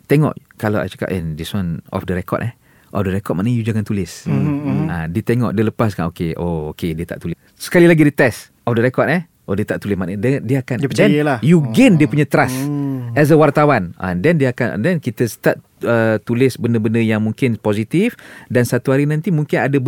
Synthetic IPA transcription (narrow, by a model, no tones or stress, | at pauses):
t̪ɛŋɔ̰ʔkalaa̰jt͡ʃḁka̰pɛ̰ndiswanɔ̰fdəɾɛkɔ̰t̪ɛh | ʔɔ̰fdəɾɛkɔt̪̚maʔnəjud͡ʒaŋant̪ulɪs | adit̪ɛŋɔ̰ʔdələpaskanokeʔookediət̪a̰ʔt̪ulɪ | sə̥kalilaɡidət̪ɛs | ɔfdəɾɛkɔt̪ɛ | ʔodiət̪aʔt̪ulɪsmaʔnədɛdiəakandpədɛanjəlajuɡɛndiəpuɲat̪ɾasɛs̬əwart̪awanʔã̰dɛndiəakan̰dɛnkit̪əst̪at̪ | ət̪ulɪsbənəbəndəjaŋmũŋkɪnpɔzit̪ifdansat̪uɦaɾinãnt̪imũŋkɪnadə